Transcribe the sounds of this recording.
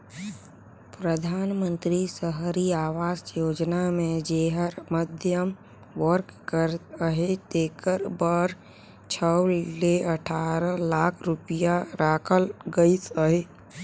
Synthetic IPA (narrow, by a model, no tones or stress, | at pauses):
pɾəd̪ʱaːnmə̃nt̪ɾisəɦɾiaːʋaːsjoːd͡ʒnamẽd͡ʒeɦəɾməd̪ʱjəm | ʋəɾkkəɾəɦet̪eːkəɾbəɾ | t͡ʃʰəleəʈʰaːɾəlaːkʰɾʊpijaɾaːkʰəlɡəisəɦe